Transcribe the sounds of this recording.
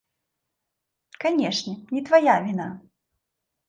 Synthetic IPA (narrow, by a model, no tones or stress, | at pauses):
kanʲɛʂnʲɛnʲit̪vajavʲina